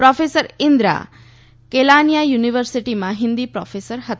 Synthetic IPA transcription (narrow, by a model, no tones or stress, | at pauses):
pɾɔfʰesəɾind̪ɾa̰ | kelanijajuniʋəɾsiʈimãɦind̪ipɾɔ̰fʰesəɾɦət̪